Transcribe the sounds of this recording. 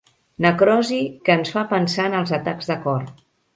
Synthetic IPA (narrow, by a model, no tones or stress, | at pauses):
nəkɾɔzikəːnsfapənsaənəlˠzət̪aɡzðəkɔr